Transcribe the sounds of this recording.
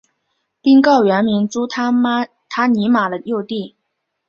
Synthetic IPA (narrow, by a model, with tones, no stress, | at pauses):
pi˥ŋkɑ˥˩ʊɥɛ˧˥nmi˧˥ŋʈ͡ʂu˥t̪ʰ | t̪ʰa˥ni˧˥ma˨˩lə˦jo˥˧ʊt̪i˥˩